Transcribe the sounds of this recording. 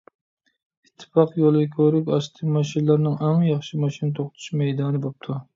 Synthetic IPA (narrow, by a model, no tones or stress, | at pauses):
it̪ʰːɨ̥pɑqjolˠɨkʲʰøɾykʲɑʃt̪ʰɨmɑʃinlˠɑɾnɨŋɛŋjɑχʃimɑʃinɨt̪ʰoχt̪ʰu̥ʃmɛjd̪ɑːnɨbop̚t̪ʰu